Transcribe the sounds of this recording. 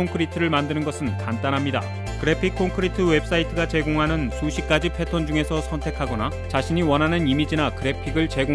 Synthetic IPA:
oŋkʰɯɾitʰɯɾɯɭmandɯnɯnɡʌsʰɯntant͈anɦamɲida̰ | kɯɾe̞pʰikʰːoŋkʰɯɾitʰɯwe̞ps͈aitʰɯɡat͡ɕe̞ɡoŋɦanɯnsʰuɕʰik͈ad͡ʑipʰe̞tʰʌnd͡ʑuŋe̞sʰʌsʰʌntʰe̞kʰaɡʌna | t͡ɕaɕʰiɲiwʌnɦanɯnimid͡ʑinakɯɾe̞pʰiɡɯɭt͡ɕe̞ɡo

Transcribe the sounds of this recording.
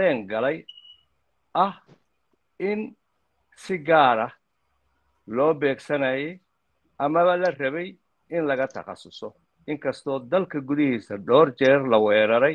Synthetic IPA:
ɛːŋɡɐlɛj | ʔɐh | ɪn | sɪɡaːɾɐ | lɔːbɛːɡsɐnɐjɛj | ʔɐmɐβɐlɐrɐβɛj | ɪnlɐɣɐt̪ʰɐ̰qɑ̰sʊsɔ | ʔɪŋkʰɐst̪ʰɔːd̪ɐlkʰɐɡʊðɪhiːsɐɖɔːrt͡ʃɛːrlɐwɛːɾɐɾɛj

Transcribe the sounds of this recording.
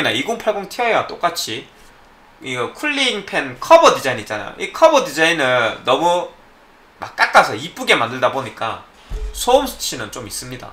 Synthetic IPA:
inaiɡoŋpʰaɭɡoŋtʰiʌeat͈ok͈at͡ɕʰi | iɡʌkʰuɭːiːŋpʰe̞nkʰʌbʌdid͡ʑainit͡ɕ͈ana̰jo̰ʔikʰʌbʌdid͡ʑainɯːʌmu | ma̰k͈ak͈asʰʌip͈uɡe̞mandɯɭdaboɲik͈a̰ | sʰoomsʰɯ̥t͡ɕʰinɯnt͡ɕomis͈ɯmɲida̰

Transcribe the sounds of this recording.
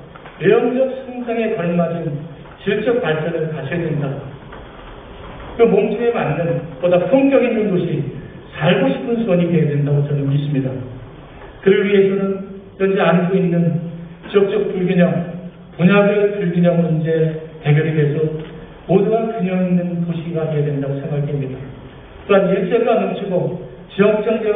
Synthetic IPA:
ejʌŋd͡ʑʌk̚sʰɯŋsʰaŋe̞kʌɭmad͡ʑɯn | t͡ɕiɭt͡ɕ͈ʌk̚paɭp͈jʌɾɯɭkaɕʰijʌdwenda | kɯmomt͡ɕʰiemanːɯnpodapʰoŋɡjʌŋinːɯnɡoɕʰi | sʰaɭɡoɕʰi̥pʰɯnsʰuwʌɲitejadwe̞ndaɡot͡ɕʌnemis͈ɯmɲida | kɯɾɯɭɥiɦe̞sʰʌnɯnjʌnd͡ʑeankʰoinːɯnt͡ɕiʌk̚t͡ɕ͈ʌk̚p͈uɭɡiɲʌŋ | puɲaɡɯpuɭɡiɲʌŋmund͡ʑe̞te̞ɡjʌɾeɡe̞sʰʌ | moduɡankɯɲʌŋinːɯnkoɕʰiɡate̞jadwe̞ndaɡosʰe̞ŋɡakʰemɲida | t͈oaniɭt͡ɕ͈eɡanʌmt͡ɕʰiɡo | t͡ɕijʌk̚t͡ɕ͈ʌŋd͡ʑe

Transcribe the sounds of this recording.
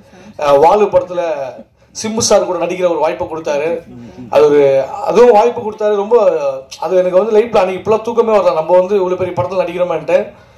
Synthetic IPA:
ʋaːlɯpɐɽɐt̪ːɪlɐ | sɪmbɯsaːɾkuːɽɐnɐɽɪkːɪɾɐɔɾɯʋaːjpːɐkːɔɽɯt̪ːaːɾɯʔɐ̰ðɯɯɐ̰ðɯʋʊ̃ʋaːjpːɯkɔɽɯt̪ːaːɾɯɾɔmbɐɐðɯɛnɐk̬ːɯʋɐnd̪ɯlɐɪʈ̚plaːnikɪpːɐɭoːt̪uːkːɐmeːʋɐɾd̪ãːnɐmbɐʋɐnd̪ɯɪʋɐɭopɛɾɪjɐpɐɽɐt̪ːɪlnɐɽɪkːɪɾɐmːnʈːe

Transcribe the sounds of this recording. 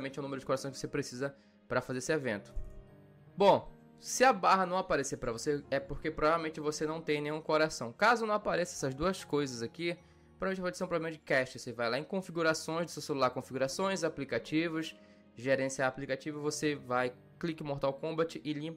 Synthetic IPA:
ɐmẽnt͡ʃɛ̃umeɾʊd͡ʒɪkoɾasɐ̃kɪ̥vosepɾesizɐ | pɾɐfazeɾesɪevẽnt̪ʊ̥ | bõ | sɪabaɦɐnɐ̃w̃apaɾesepɾɐvoseɛpoɾkepɾovavewmẽt͡ʃɪvosenɐ̃w̃t̪ẽj̃nẽj̃ũkoɾasɐ̃w̃kazʊnɐ̃w̃apaɾɛsɪɛsɐzd̪uɐskojzɐzaki | povavmẽt͡ʃvaed͡ʒɪseũpɾovblẽmɐd͡ʒɪkɛʃt͡ʃɪosevajlaẽkõfiɡuɾasõj̃zd̪ʊsewselulaɾkõfiɡuɾasõj̃zaplikat͡ʃivɐs | ʒeɾẽsiaːplikat͡ʃivɐvosevaj | klikɪmoɾt̪awkõbat͡ʃɪʔɪlĩp

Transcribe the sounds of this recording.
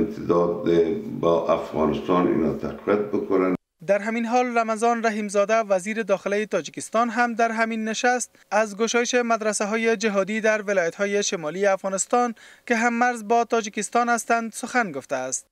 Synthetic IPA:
nt̪ʰɪd̪ɔd̪ebaʔafɣɑ̰nɪst̪ɑnḭnɔt̪ʰaqviat̪̚bʊkʊnan | d̪aɾɦaminɦɔlramazɒnɾaɦimzɒd̪aʋaziɾɪd̪ɒxɪlajɪt̪ɒd͡ʒɪkɪst̪ɒnɦamd̪aɾɦaminːɪʃast̪azɡʊʃɒjɪʃemad̪ɾasaɦɔjed͡ʒɪɦɒd̪id̪aɾwɪlɒjat̪hɔjeʃɪmɒlieafɣɒnɪst̪ɒnkɪɦamːaɾzbɒt̪ɒd͡ʒɪkɪst̪ɒnast̪and̪sʊxanɡʊft̪aːst̪̚

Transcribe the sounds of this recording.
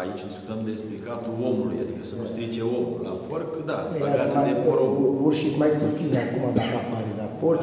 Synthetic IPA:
ait͡ʃd̪iskut̪əmd̪espɾekat̪ulo̞mulṵja̰d̪ikəsəkost̪ɾid͡ʒeomula̰porkd̪aeaaaoɾouurʃismajput̪sineakumabakapaɾid̪apork

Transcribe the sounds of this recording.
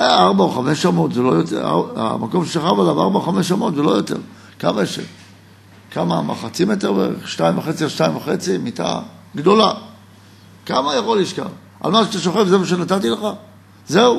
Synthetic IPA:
eaʁbaoχame̞ʃamo̞t̪zelo̞jotḛa̰a̰mako̞mʃeʃaχavalava̰ʁbaoχameʃamo̞t̪zelo̞jo̞t̪e̞̰ʁ | kamaʃḛ | kamama̰χat͡simet̪eʁveḛʁḛχʃnaimvaχet͡siaʃnaimvaχet͡simit̪a̰ | ɡd̪o̞la | kamajaχoliʃka̰v | ʔa̰lmaʃeat̪aʃoχevzevaʃ̬enat̪at̪ileχa | zeu

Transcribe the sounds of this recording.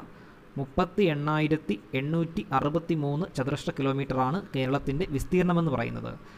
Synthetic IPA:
mupːɐt̪ːie̞ɳːaːjiɾɐt̪ːie̞ɳːuːtːiʔɐrubɐt̪ːimuːnːɨt͡ɕɐðɾɐʂʈɐkilo̞ːmiːʈːɐraːɳɨke̞ːɾɐɭɐt̪ːinde̞ʋist̪iːɾɐɳɐme̞nːɨpɐrɐ̰jṵnːɐ̰ðɨ̰

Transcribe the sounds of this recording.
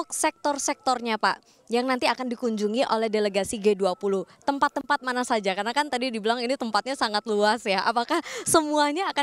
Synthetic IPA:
k̚sɛk̚t̪ɔrsɛk̚t̪ɔrɲapa̰ʔ | jaŋnant̪iakandikuɲd͡ʒuŋiʔolɛhdeleɡasiɡeduapuluht̪əmpat̪ːəmpat̪̚manasad͡ʒakarnakant̪adidibəlaŋinit̪əmpat̪̚ɲasaŋat̪̚luasjaʔa̰pakahsəmuaɲaːka

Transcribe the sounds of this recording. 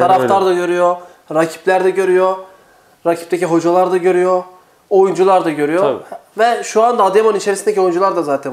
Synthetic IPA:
t̪ʰaɾafaɾd̪aɟø̞ɾyjo | ɾacʰi̥plʲæɾd̪ɛɟø̞ɾyjo | ɾacʰi̥pt̪ʰeciɦo̞d͡ʒalˠaɾd̪aɟø̞ɾyjo | ojund͡ʒulˠaɾd̪aɟø̞ɾyjovɛʃuand̪aːd̪emannit͡ʃʰeɾisind̪ecio̞jund͡ʒulˠaɾd̪azaːt̪ʰɛn

